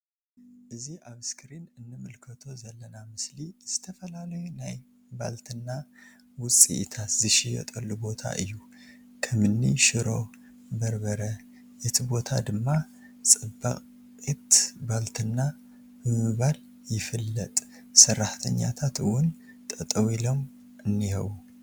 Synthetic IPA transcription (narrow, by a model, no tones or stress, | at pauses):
ʔɨziʔaβskʰɾinɨnːɨmɨlkʰət̪ʰo̞zɐlːənamɨsliz̥ɨ̥t̪ʰəfəlaləjunaj | ba̰lt̪ʰɨnːa | wʊsʼḭʔt̪ʰat̪zɨʃijɛ̰t̪ʼəlːubo̞t̪ʰa̰ʔɨ̰jːu | kʰəmɨnːiʃɪɾo̞ | bəɾbəɾə | jɛt̪ʰibo̞t̪ʰad̪ɨmːa | sʼɨbːə̰qʼ | it̪balt̪ʰɨnːa | bɨmɨβal | jɪfɨlːət̪ʼ | sɨrːaht̪ʰəɲːa̰t̪ʰat̪ɨwʊn | t̪ʼət̪ʼəwilom | ɨnːihə̰wu